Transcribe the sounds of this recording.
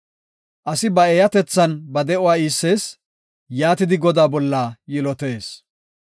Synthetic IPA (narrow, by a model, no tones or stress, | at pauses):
ʔɐsɪbɐɛːjɐt̪ɛt͡sːɐnbɐd̪ɛʊwaːiːsːe̞ːs | jaːt̪ɪd̪ɪɡɔd̪aːbɔlːaːjɪlɔt̪e̞ːs